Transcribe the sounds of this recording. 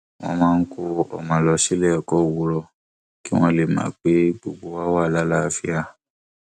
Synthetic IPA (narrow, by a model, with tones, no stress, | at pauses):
w̃ɔ̰̃˧mãː˦n̩˦ko˧ɔ̰˨mã˨lɔ˧ʃe˦lɛ˦ɔ˨kɔ˦˨wu˧˦ɾɔ˧ | ki˦w̃ɔ̃˦le˨mã̰ː˨˦k͡pe˨˦ɡ͡bo˨ɡ͡bo˧wa˦wa˦˨la˦la˦˨fi˦a˧